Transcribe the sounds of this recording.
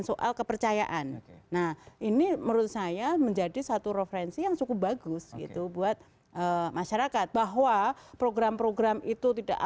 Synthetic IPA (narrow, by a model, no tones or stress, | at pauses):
nsoʔa̰lkəpərt͡ʃaja̰ʔanːahʔiniməɾʊt̪̚sajaməɲd͡ʒadisat̪uɾefəɾɛnsijaŋt͡ʃukubaɡʊsɡḭt̪ubuat̪̚ | ʔəmaʃaɾakat̪̚baɦwapɾoɡɾampɾoɡɾamit̪ut̪ida̰ʔ